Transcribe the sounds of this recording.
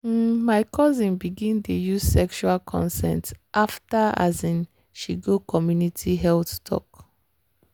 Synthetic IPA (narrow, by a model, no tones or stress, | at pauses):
maɪkʰɔzĩnbiɡĩntejuz̥sɛkʃualkʰɔ̰̃nsɛ̰̃ntʔaftaa̰zĩn | ʃiɡokɔmjunitʰiɦɛlθtʰɔ̰k